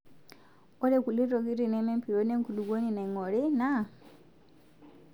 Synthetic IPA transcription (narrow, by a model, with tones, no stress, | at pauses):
ɔ˦ɾe˨ku˨li˦ɾɔ˨ɡi˦ɾi˨nɛ˨˦mɛ˦mpi˨ɾo˦ne˦ŋku˨lu˨ɡo˦ni˨na˨i˨ŋɔ˨ɾi˦na˦